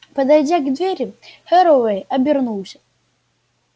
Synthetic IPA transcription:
pɐd̪ajdʲaɡd̪vʲeɾʲihɛɾɔvɛjɐbʲɪrnuwˠsʲɐ̥

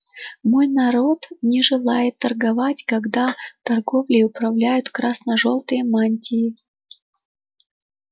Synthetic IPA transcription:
mojnɐɾot̪nʲɪʐɨlˠajɪt̪ːɐrɡɐvatʲkɐɡd̪at̪ɐrɡo̞vlʲɪʊpɾɐvlʲæjʊt̪kɾasnɐʐolˠt̪ɨjəmanʲtʲɪjɪ

